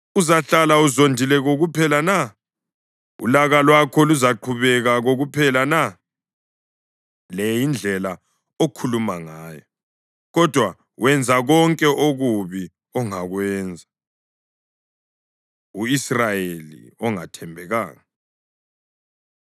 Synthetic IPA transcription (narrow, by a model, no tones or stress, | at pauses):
uzaɬalauzondʱilɛɣoɣupʰɛlana | ṵlaɣalwakʰɔluzaǃʰuβɛɣaɣoɣupʰɛlana | lejind͡ɮʱɛla | okʰulumaŋaːjɔ | ɣɔd̥ʱwa | wɛnd͡zʱaɣɔŋkʼɛʔoɣuβi | ɔŋaɣwɛːnd͡zʱḁ | uisrajelḭɔŋa̰tʰɛmbʱɛɣa̰ːŋa